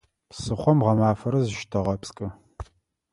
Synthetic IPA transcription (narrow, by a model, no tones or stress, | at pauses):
psɨχʷɔmʁɐmaːfɐɾɐzɨʃtʰɐʁɐpskʼɨ